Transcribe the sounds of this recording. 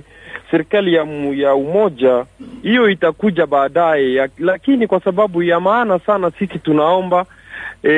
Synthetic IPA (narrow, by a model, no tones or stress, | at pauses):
sɛɾikalijajaumɔʄahijɔitakuʄaɓaːɗajɛalakinikwasaɓaɓujamaːnasanasisitunaɔmba